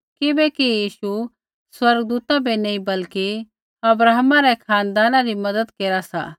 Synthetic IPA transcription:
kɪbɛkijiːʃu | swɐɾɡd̪uːt̪abenɐĩbɐlki | ɐbɾaːɦmãɾɛkʰaːnd̪aːnãɾimɐd̪əd̪keːɾasa̰ː

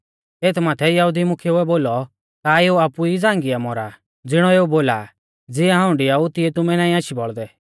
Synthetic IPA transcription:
eːt̪ʰmaːt̪ʰɛjɐɦud̪imʊkʰeuɛboːlɔ | t̪aeːuapuid͡zãːŋɡiamɔɾa | d͡zɪɽ̃ɔeːuboːla | d͡zɪaɦãːʊ̃ɳɖiaut̪ɪɛt̪ʊmɛnãːĩaːʃibɔɭd̪ɛ

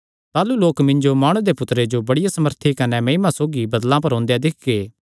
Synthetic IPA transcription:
t̪aːluloːkmɪ̃ɲd͡ʒomaːɽ̃ũd̪epʊt̪ɾed͡ʒobɐɽɪjasɐməɾt̪ʰikɐnemɐimãsoːɡibɐd̪lãp̬ɐɾɦɔ̃ːnd̪ejad̪ɪk̚ɡeː

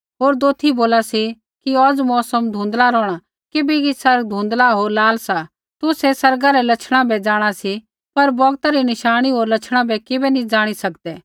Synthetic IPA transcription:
ɦoːɾd̪oːt̪ʰːiboːlasi | kiɔd͡zmɔːsəmd̪ʱũːnd̪laɾɔːɽ̃a | kɪbikisɐɾɡ̚d̪ʱũːnd̪laɦoːɾlaːlsa | t̪ʊsɛsɐɾɡaɾɛlɐt͡ʃʰɽ̃ãbɛd͡zaːɽ̃asi | pɐɾbɔɡt̪aɾinɪʃaːɽ̃iɦoːɾlɐt͡ʃʰɽ̃abɛkɪbɛnĩd͡zaːɽ̃isɐkd̪ɛː

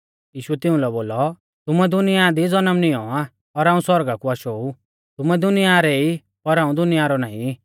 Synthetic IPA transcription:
jiːʃuɛt̪ɪũlɛboːlɔ | t̪ʊmɛd̪ʊnɪjad̪id͡zɔnəmnɪɔ̃a | ɔɾaːũswɔɾɡakuaʃɔu | t̪ʊmɛd̪ʊnɪjaɾei | pɔɾɦãːũd̪ʊnɪjaɾɔnaːḭ̃

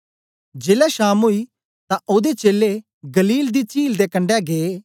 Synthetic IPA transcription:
d͡ʒeːlɛʃaːmoːiː | t̪ãʔoːd̪et͡ʃeːle | ɡəliːld̪iːt͡ʃiːld̪eːkə̃ɳɖɛːɡeː

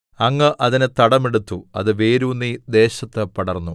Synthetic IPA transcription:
ɐŋːɐʔɐðinet̪ɐɽɐme̞ɽut̪ːuɐ̰ðɨʋe̞ːɾuːnːid̪e̞ːɕɐt̪ːepɐɽɐrnːu

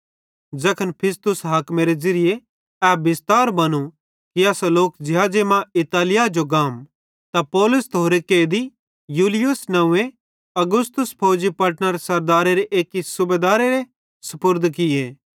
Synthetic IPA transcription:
d͡ʒɐkʰənpʰɪst̪ʊsɦaːkmeɾezɐɾɪje | ɛːbɪst̪aːɾbɐnu | kiɐsaloːkd͡ʒɪɦaːd͡ʒemãɪt̪aːlɪjad͡ʒoɡaːm | t̪apɔːlʊst̪oːɾekeːd̪i | juːlɪjʊsnɐʋẽ | ɐɡʊst̪ʊspʰoːd͡ʒipɐʈnəɾesɐɾd̪aːɾeɾeʔeːkisʊbeːd̪aːɾeɾe | sɐpʊɾd̪ʱkɪjeː

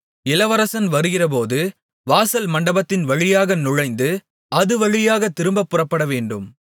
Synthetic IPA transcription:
ɪlɐʋɐɾɐsɐnʋɐɾɯɣɪrɐp̬oːðɯ | ʋaːsɐlmɐɳɖɐbɐt̪ːɪnʋɐɻɪjaːɣɐnʊɻɐɪnd̪ɯ | ɐðɯʋɐɻɪjaːɣɐt̪ːɪɾɯmbɐpːɯrɐpːɐɽɐʋeːɳɖɯm

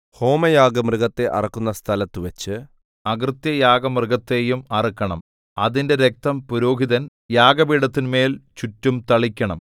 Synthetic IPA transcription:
ho̞ːmɐjaːɡɐmrɨɣɐt̪ːe̞ʔɐ̰rɐkːunːɐst̪ʰɐlɐt̪ːɨʋɐt͡ɕːɨ | ɐɡrɨt̪jɐjaːɡɐmrɨɡɐt̪ːe̞ːjumɐrɐkːɐɳɐm | ɐðinde̞ɾe̞k̚t̪ɐmpuɾo̞ːɡʱiðɐn | jaːɡɐbiːɽɐt̪ːinme̞ːlt͡ɕutːumt̪ɐɭikʲːɐɳɐm

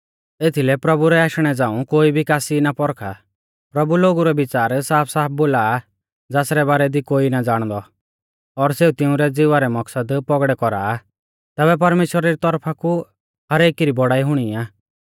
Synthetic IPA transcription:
et̪ʰilɛpɾɐbuɾɛaːʃɽ̃ɛd͡zãːũkoːibʱikaːsinapɔɾkʰa | pɾɐbuloːɡuɾɔbɪt͡ʃaːɾsaːpʰsaːp̚ʰboːla | d͡zaːsɾɛbaːɾɛd̪ikoːinad͡zaːɽ̃d̪ɔ | ɔɾseut̪ɪʊ̃ɾɛd͡zɪʋaɾɛmɐksəd̪pɔɡɽɛkɔɾa̰ː | t̪ɛːβɛp̬ɐɾmeːʃwəɾaɾit̪ɔɾpʰaku | hɐɾeːkiɾibɔɽaːiɦʊɽ̃iaː

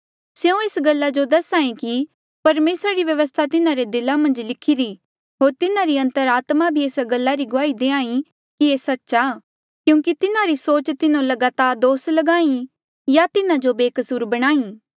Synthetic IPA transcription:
seũeːsɡɐlːad͡ʒod̪ɐsãːĩki | pɐɾmeːsɾaɾiʋjɐʋəs̬t̪ʰat̪ɪnãɾed̪ɪlamɐ̃nd͡ʒlɪkʰɪɾi | ɦoːɾt̪ɪnãɾiɐ̃nt̪əɾaːt̪mabʱieːsɡɐlːaɾiɡʊaːid̪eːãːĩ | kiesɐtːʃa | kjũːkit̪ɪnaɾisoːt͡ʃt̪ɪnõlɐɡaːt̪aːɾd̪oːslɐɡaːĩ | jat̪ɪnad͡ʒobeːkəsuːɾbɐɽ̃aːĩː

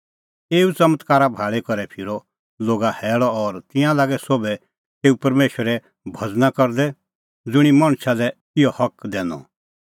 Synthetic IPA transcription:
eːut͡sɐmət̪kaːɾabʱaːɭekɔɾɛpʰɪɾɔ | loːɡahɛːɭɔɔɾt̪ɪ̃jãlaːɡɛsoːbɛ | t̪eːupɐɾmeːʃəɾɛ | bʱɐd͡znakɔɾd̪ɛ | d͡zʊɽ̃imɐɽ̃salɛ | ɪjɔhɐkd̪ɛːnɔ̰

